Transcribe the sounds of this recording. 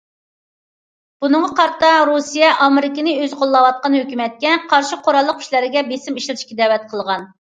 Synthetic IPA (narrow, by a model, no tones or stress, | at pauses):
b̥unɨŋʁɑqɑɾt̪ɑɾusijɛʔɑmɪɾɪkʲinɨøzqʰolˠːɑwɑt̪̚qɑnhøkʲymɛt̪̚kʲɛqʰɑɾʃɪqʰoɾɑlˠːəq̚kʰʲʃlæɾɪɡʲɛbesɪmiʃlɨɾɨ̥ʃkʲid̪ɛwɛt̪̚qʰəlˠʁɑn